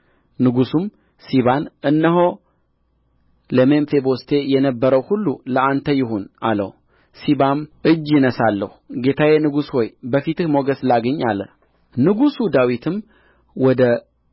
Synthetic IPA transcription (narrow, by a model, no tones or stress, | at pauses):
nɨɡusum | siβanʔɨnːəɦo̞ | ləmenfebo̞st̪ʰe̞jɛnəbːəɾəwhulːuləant̪ʰəjɪɦonʔa̰lə̰h | siβamʔɨd͡ʒːjɪnəsalːə̰huɡe̞t̪ʰawjenɨɡushojbəfit̪ɨhmo̞ɡəslaɡəɲːalːə̰ | nɨɡusud̪awit̪ʰɨm | wɔd̪ə